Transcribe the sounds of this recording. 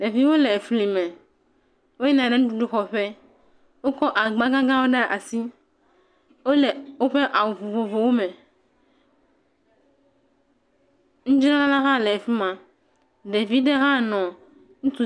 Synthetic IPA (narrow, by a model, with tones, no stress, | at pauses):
ɖe˨vi˦wo˦lɛ˨fli˨mɛ̃˨ | wo˦ɛ˦nã˨ɖɛ˦ŋũ˦ɖu˦ɖu˦xɔ˨ɸɛ˦ | wo˦kɔ˦ʔa˨ɡ͡bã˦ɡã˦ɡã˦wo˦ɖɛ˦ʔa̰˨si˦ | wo˦lɛ˨wo˦ɸe˦ʔa˨wu˨vo˨vo˨vo˨wo˦mɛ̃˨ | ŋũ˦d͡ʒɾã˦la˦la˦ɦã˦lɛ˨fi˦mã˨ | ɖe˨vi˦ɖe˦ɦã˦nɔ̃˨ | ŋũ˦t̪u˦